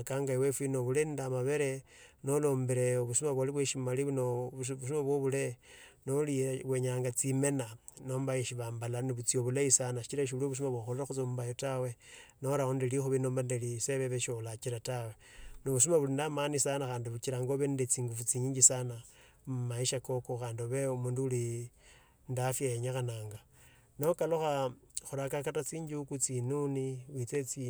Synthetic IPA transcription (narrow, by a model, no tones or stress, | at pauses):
kaŋɡaiwefinoβulendamaβeɾenolo̞ːmbeɾeoβusumaβwaliβweʃimaliβnoβus̬umaβwoβulenoliβweɲaːŋɡat͡sime̞nanoːmbaeʃiβaːmbalaniβut͡sioβulaisanaʃi̥t͡ʃiɾaʃ̬iβuloβus̬umaβwaxoleɾaxut͡sombajotawenoɾaondelixuβinoːmbandeliseβeβeʃolat͡ʃiɾatawe̞noβus̬umaβulindamanisanaxaːndiβut͡ʃiɾaŋɡoβendet͡siːŋɡufut͡siɲiɲd͡ʒisana | maiʃako̞koxaːndioβeumuːnduuli | ndafjajeɲaxanaːŋɡa | no̞kaloxa | xuɾakakatat͡siːɲɟiukut͡sinuniwit͡set͡si